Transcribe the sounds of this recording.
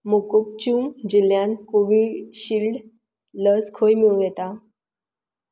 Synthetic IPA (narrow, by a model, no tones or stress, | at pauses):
mukuk̚t͡ɕuŋd͡ʑiljankoʋiɕilɖ | ləskʰojmiwɡɛt̪a